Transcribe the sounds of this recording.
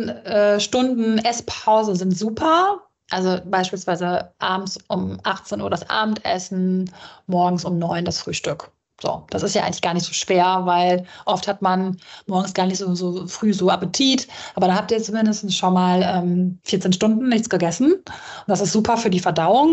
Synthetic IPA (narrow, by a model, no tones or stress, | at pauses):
ʔɛːʃtʊndn̩ʔɛspʰaʊzn̩zɪntz̥uːpʰɐ | ʔalzobaɪʃpiːlsv̥aɪzəʔaːbm̩sʔʊmʔaχt͡seːnʔuːɐɾasʔa̰ːb̚m̩tʔɛ̰sn̩mɔɐɡŋ̩sʊmnɔʏndasfʁ̥yːʃtʏk | z̥o̰ːd̥asɪstjaːʔaɪŋ̩lɪçɡ̥aːɐnɪçtz̥oːʃv̥eːɐvaɪlʔɔfthatmanmɔɐɡŋ̩sɡ̥aːɐnɪçtz̥oːzoːfʁ̥yːzoːʔapətʰiːtʔaːbɐɾanhap̚tiːɐt͡sumɪndəstn̩sʃonmaːlʔɛːmfiːɐt͡seːnʃtʊndn̩ːɪçt͡sɡ̥əɡɛsn̩ | ʊnd̥asɪstz̥uːpʰɐfyːɐdiːfɛɐdaʊʊŋ